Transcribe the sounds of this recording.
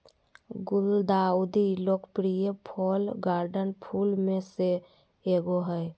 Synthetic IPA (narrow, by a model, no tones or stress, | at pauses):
ɡʊld̪aud̪ʱiloːkpɾijəpʰɔlɡaɾɖənpʰulmẽse | eɡoɦəj